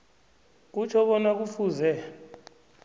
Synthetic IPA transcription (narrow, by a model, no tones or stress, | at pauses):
k̬ut͡ʃʰɔɓɔnak̬ufuːzɛ